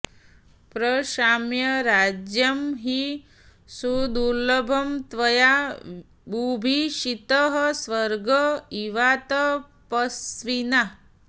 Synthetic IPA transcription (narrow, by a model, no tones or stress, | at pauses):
pɾəʃamjɐɾad͡ʒjəmɦi | sud̪uɾləbʱɐmt̪ʋɐja | bubʱiʃit̪əɦəsʋəɾɡʱəiʋat̪ə | pəsʋina